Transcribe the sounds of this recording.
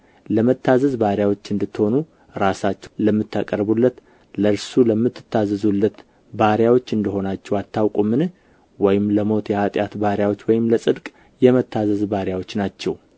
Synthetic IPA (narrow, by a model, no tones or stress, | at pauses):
ləmət̪ːazəzbaɾjawot͡ʃːɨnd̪ɨt̪ːho̞nu | ɾasat͡ʃːɛləmːɨt̪ːa̰kʼəɾbulːət̪ | ləɨɾsuləmːɨt̪ːɨ̥t̪ʰːazəzulːət̪ | baɾjawo̞t͡ʃːɨnd̪ɨɦo̞nat͡ʃːɛwat̪ʰːawkʼumɨnɨh | wɔjɪmləmo̞t̪jɛhat̪ʼjat̪baɾjawo̞t͡ʃːwɔjɪmləsʼɨd̪kʼ | jɛmət̪ːazəzbaɾjawo̞t͡ʃːnat͡ʃːɛ̰w